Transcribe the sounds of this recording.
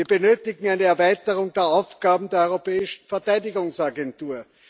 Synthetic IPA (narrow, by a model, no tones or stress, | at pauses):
iːɐbənøːtɪɡŋ̩æɪnəɛɐvæɪtəʁʊŋd̥eːɐaʊfɡ̥aːbm̩deːɐɔʏʁopɛːɪʃn̩fɛɐtæɪdɪɡʊŋsaɡɛntuːɐ